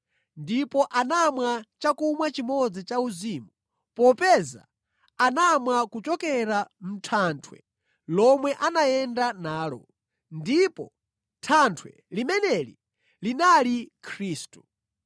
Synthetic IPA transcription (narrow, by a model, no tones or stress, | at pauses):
ndipɔʔanamwat͡ʃakumwat͡ʃimɔd͡zit͡ʃauzimu | pɔpɛza̰ | anamwakut͡ʃɔkɛɾam̩tʰantʰwɛ̰ | lɔmwɛʔanajɛndanaːlɔ̰ | ndipɔ̰ | tʰantʰwɛ̰ | limɛnɛlḭ | linalikʰɾiːstu̥